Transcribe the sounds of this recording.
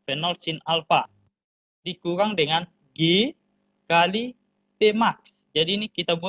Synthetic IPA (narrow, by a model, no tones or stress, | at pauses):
fɛnɔlsinalfa | dikuɾaŋdəŋan | ɡe | kali | p̪emaks | d͡ʒadiːnikit̪abu